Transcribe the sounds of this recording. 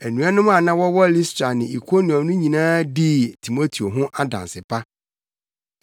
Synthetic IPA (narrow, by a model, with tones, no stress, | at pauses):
æ˨nũ˨˦a˦nʊ̃˦m˦a˨nã˦wɔ˦wɔ˦li˦stɾa˨nɪ̃˨i˨kʰo˦ni˨ɔ̃˨nʊ̃˦ɲĩ˨nãː˦di˦tʰi˨mo˦tʰi˨o˨ɦʊ̃˦ʔa˦dã̰˨nsɪ˨pʰa˦